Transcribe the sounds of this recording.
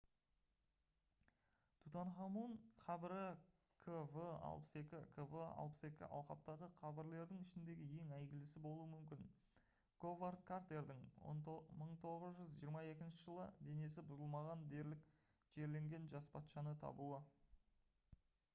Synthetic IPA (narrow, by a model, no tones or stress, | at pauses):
t̪ʰut̪ɑɴχɑmuɴqʰɑbɪɾɪ | kʰəvəɑ̰lˠpə̥se̞kʲɪkʰəvəɑ̰lˠpə̥se̞kʲɪ̰ʔɑ̰lˠqɑp̚t̪ɑʁəqʰɑbɪɾle̞ɾd̪ɪŋɪʃɪnd̪e̞ɡʲɪje̞ŋæjɡʲɪlɪsɪbo̞lˠuəmʏmkʲɪn | ɡ̥ovart̪̚kʰart̪e̞ɾd̪ɪŋ̰ | məɴt̪ʰo̞ʁəzʒʏzʒijəɾmɑje̞kʲɪnʃɪʒəlˠəd̪e̞ne̞sɪbʊzəlˠmɑʁɑnd̪e̞ɾlɪk | ʒ̥e̞ɾle̞ŋɡʲe̞nʒɑspʰɑt̪ʃɑnət̪ʰɑ̰buə